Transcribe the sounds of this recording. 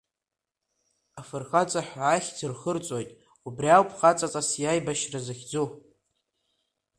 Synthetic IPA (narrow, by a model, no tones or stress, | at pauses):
afɨrχat͡sʼaħːχʲd͡zɨrχərt͡sʼojtʼ | ubriawpʰʼχat͡sʼat͡sʼasjajbaʃrazaχʲd͡zo